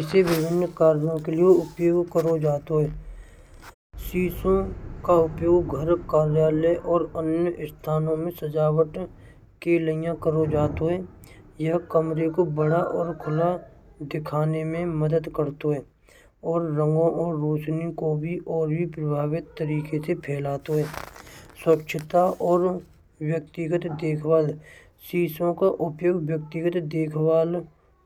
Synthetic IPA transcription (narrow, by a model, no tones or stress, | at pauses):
ɪseʋɪbʱɪnːkaːɾjõkelijeʊpjoːɡkəɾod͡ʒaːt̪oɦɛː | siːsõkaʊpjoːɡɡʱəɾkaːɾjaːlɛʔɔːɾənjəst̪ʰaːnõmẽsəd͡ʒaːwəʈ | keləɪjãkəɾod͡ʒaːt̪oɦɛː | jəɦkəmɾekobəɽaʔɔːɾkʰʊla | d̪ɪkʰaːnemẽməd̪əd̪kəɾt̪oɦɛː | ɔːɾːə̃ŋɡõʔɔːɾːoːt͡ʃnikobʱiʔɔːɾbʱipɾəbʱaːʋɪt̪ːəɾiːkesepʰɛːlaːt̪oɦɛːswəkʃʰət̪aʔɔːɾ | wjək̚t̪ɪɡət̪d̪eːkʰwaːl | siːsõkaʔʊpjoːɡwjək̚t̪ɪɡət̪d̪eːkʰwaːl